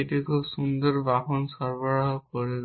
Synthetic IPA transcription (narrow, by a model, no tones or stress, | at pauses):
etikʰubsund̪ɔɹbaɦɔnsɔɹbɔɹaɦɔkɔɹil